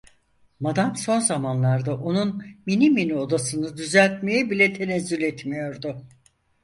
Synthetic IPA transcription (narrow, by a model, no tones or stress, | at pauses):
mad̪amso̞nzamanlˠaɾd̪aʔonunminiminio̞d̪asɯnɯd̪yzælʲt̪me̞jibilʲɛt̪ʰe̞nezːylʲɛt̪mijo̞ɾd̪ʊ